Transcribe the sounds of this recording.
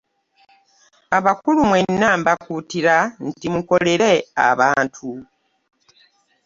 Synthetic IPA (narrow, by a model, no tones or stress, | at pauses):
aβakulumwenːaːmbakutiɾantimuko̞le̞ɾe̞a̰βaːntʰu